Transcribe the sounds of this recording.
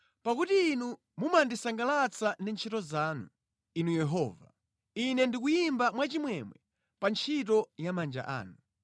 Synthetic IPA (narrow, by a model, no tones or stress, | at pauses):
pakutiːnu | mumandisaŋɡalat͡sʰanɛnt͡ʃʰitɔzaːnu | inujɛɦɔːva | inɛndik̬ujimbamwat͡ʃimwɛmwɛ | pant͡ʃʰit̬ɔjamand͡ʒa̰ʔa̰ːnu